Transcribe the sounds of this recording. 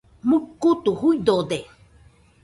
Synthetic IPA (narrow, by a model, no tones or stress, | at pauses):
mukut̪uhujd̪od̪e